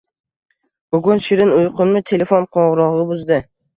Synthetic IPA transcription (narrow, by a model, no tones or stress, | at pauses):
b̥ʊɡʊnʃɪɾɪnʊjqʊnmɪt̪ʰe̞le̞fonqʰɒɴʁɾɒʁɨbʊzd̪ɪ